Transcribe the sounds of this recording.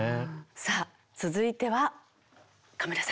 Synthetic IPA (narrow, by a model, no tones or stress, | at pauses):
saː | t͡sɨzɨit̪e̞βa | kameɾasa